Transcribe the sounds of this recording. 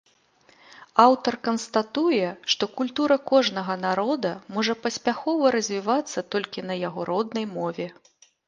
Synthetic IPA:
awt̪ɐrkɐnst̪at̪ujɛʂt̪ɔkulʲt̪uɾɐkɔʐnɐɣɐnaɾɔd̪ɐmɔʐɐpɐsʲpʲaxɔvɐɾɐzʲvʲivat̪sːɐt̪ɔlʲkʲinɐjaɣɔɾɔd̪̚nɐjmɔvʲɛ

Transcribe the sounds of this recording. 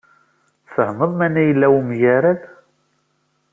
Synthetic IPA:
səhməðˤmænæjəlːæwimʝaɾæð

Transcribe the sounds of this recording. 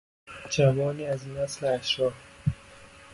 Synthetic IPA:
d͡ʒʰæmɒːniːæziːnæsleæʃɾɒːf

